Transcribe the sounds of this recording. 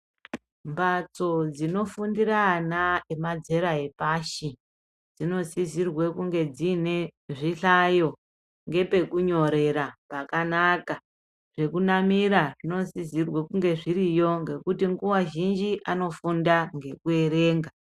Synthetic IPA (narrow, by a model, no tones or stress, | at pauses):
mbat͡so̞d͡zino̞fundiranaemad͡ze̞ɾaɦepaʃi | d͡zino̞zizirwekuŋɡe̞d͡zine̞ʐiɬajo̞ | ŋɡe̞pe̞kuɲo̞ɾe̞ɾapakanaka | ʐ̥e̞kunamiɾaʐino̞zizirwekuŋɡe̞ʐiɾijo̞ŋɡe̞kutiŋɡuwaʒind͡ʒiʔano̞fundaŋɡe̞kue̞ɾe̞ːŋɡa